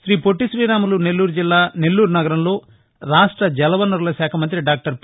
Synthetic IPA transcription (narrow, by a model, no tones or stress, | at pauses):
ʃɾiːpoʈːiʃɾiːɾaːmɐlune̞lːuːɾud͡ʒilːaːne̞lːuːɾunɐɡɐɾɐmlo̞ː | ɾaːʂʈɾɐd͡ʒɛlɐʋɐnuɾlɐʃaːkʰɐmɐnt̪ɾiɖaːk̚ʈɐɾp